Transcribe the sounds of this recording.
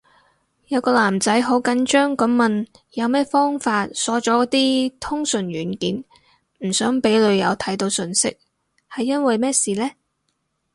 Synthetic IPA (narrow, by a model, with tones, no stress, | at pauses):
jɐ˨˧wkɔː˧laː˨˩mt͡sɐ˨˥jɦo˨˥wkɐ˨˥nt͡ʃœː˥ŋkɐ˨˥mmɐ˨n | jɐ˨˧wmɛː˥fɔː˥ŋfaː˧t̚sɔː˨˥t͡ʃɔː˨˥kt̪iː˥t̪ʰʊ˥ŋsɵ˨˩nɥyː˨˩nkiː˨˥n | m̩˨˩sœː˨˥ŋpe˨˥jlɵ˨˧ɥjɐ˨˧wt̪ʰɐ˨˥jt̪o˨˧wsɵ˧nsɪ̰˥k̚ | hɐ˨jːɐ˥nwɐ˨jmɛː˥siː˨lɛː˥